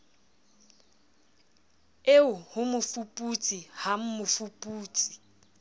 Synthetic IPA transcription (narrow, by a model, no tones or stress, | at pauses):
eʊhʊmʊfupʼut͡sʼiham̩mʊfupʼuːt͡sʼi̥